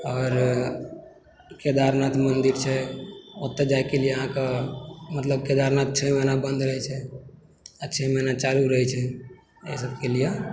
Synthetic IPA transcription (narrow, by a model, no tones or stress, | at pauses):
ɔːɾ | ked̪aɾnat̪mənd̪iɾt͡ʃʰɛot̪ːed͡ʒajkelijeɦãkamət̪ləb̚ked̪aɾnat̪̚t͡ʃʰɛmənabə̃nd̪ɾəɦɛt͡ʃʰɛ | at͡ʃʰɛmənat͡ʃaɾuɾəɦɛt͡ʃʰɛ | ḛsəbkelije